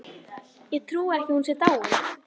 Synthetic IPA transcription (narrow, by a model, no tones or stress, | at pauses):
jɛɣt̪ʰɾuːɛhcɪhunsjɛɾt̪aːw